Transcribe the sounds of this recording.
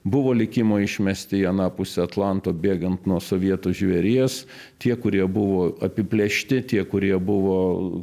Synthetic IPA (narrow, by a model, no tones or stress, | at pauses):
bʊʋoːlʲɪkʲɪmoːɪʃʲmʲɛsʲt̪ʲɪiɐnɑːpʊsʲɛɐt̪lˠɑnt̪oːbʲeːɡɐnt̪nuɔsoːʋʲiɛt̪uʒʲʋʲɛɾʲiɛs | t̪ʲiɛkʊɾʲiɛbʊʋoːɐpʲɪpʲlʲɛʃʲt̪ʲɪt̪ʲiɛkʊɾʲiɛbʊʋoː